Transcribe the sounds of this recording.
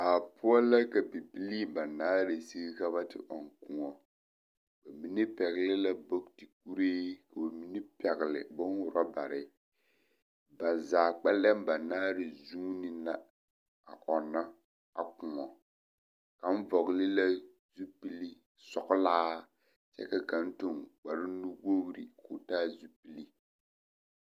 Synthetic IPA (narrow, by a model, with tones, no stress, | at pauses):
a˨pʊ˦ɔ˦la˦ka˨pi˨pi˦li˦ba˨naː˦ɾe˨si˦ka˦βa˦tɪ̰˨ʔɔ˨ŋ˨ku˨ŋɔ˨ | ba˨mi˦nɪ˦pɛ˨ɣɪ˨lɪ˦la˦bo˦kti˨k̚u˦ɾeː˦ka˨ba˨mi˦nɪ˦pɛ˨ɣɪ˨lɪ̰˨bɔ˦n˦wʊ˨ɾɔ˦ba˨ɾɪ˨ | ba˨zaː˨k͡pɛ˦lɛ˦m˦ba˨naː˦ɾɪ˨zuː˦nɪ˦na˦ | a̰˨ʔɔ˨nːa˦ | a̰˨kʊ˨ŋɔ˨ | ka˨m̩˦vɔ˨ɣlɪ˦la˦ | zu˦pi˦li˦ | sɔ˨kʊ˦laː˦ | t͡ʃɛ̰˦ka˨ka˨n̩˦to˦˨ŋk͡pa˨ɾɪ˦nu˦ɡo˦ɣɾḭ˨kʰʊː˨taː˦zu˦pi˦li˦